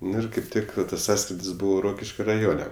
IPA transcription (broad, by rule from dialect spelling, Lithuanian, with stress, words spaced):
ˈnʊ ɪr ˈkɐɪp ˈtʲɪk tɐs ˈsɑːskrʲɪdʲɪs ˈbuːʋoː ˈroːkʲɪʃʲkʲoː rɐˈjoːnʲɛ